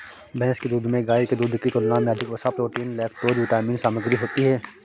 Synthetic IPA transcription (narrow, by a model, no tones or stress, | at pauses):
bɛ̃ːsked̪uːd̪mẽɡaːiked̪uːd̪kit̪onaːmjaːd͡ʒɪkʋɐsapɾoːʈiːnlɛːk̚ʰʈoːd͡ʒʋɪʈaːmiːnsaːməɡɾiɦoːt̪iɦɛː